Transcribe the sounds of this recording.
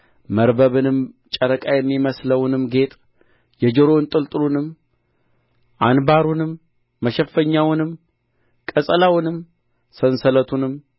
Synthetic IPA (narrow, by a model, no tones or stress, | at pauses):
məɾbəβɨnɨmt͡ʃʼəɾəkʼajɛmːiməsləwnɨmɡe̞t̪ʼ | jɛd͡ʒəɾont̪ʼɨlt̪ʼɨɾunɨm | ʔanbaɾunɨmː | əʃɛfːəɲːawnɨm | kʼəsʼəlawnɨm | sənsələt̪ʰunɨm